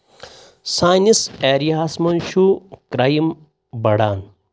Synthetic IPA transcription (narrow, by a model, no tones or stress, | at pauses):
saːniseːɾiaːsmɐnʃukɾajim | bɐɽaːn